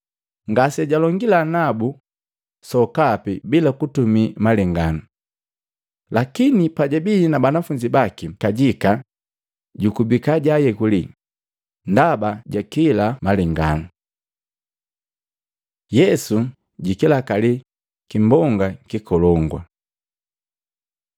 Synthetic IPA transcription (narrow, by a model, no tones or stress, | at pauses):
ŋɡasɛɟalɔŋɡilanabu | sɔkapibilakutumimalɛŋɡanu | lakinipaɟabiinabanafuɲd͡ʒibakikaɟika | ɟukubikaɟajɛkuli | ndabaɟakilamalɛŋɡa̰nu | jɛsu | ɟikilakali | kimbɔŋɡakikɔlɔŋɡwa̰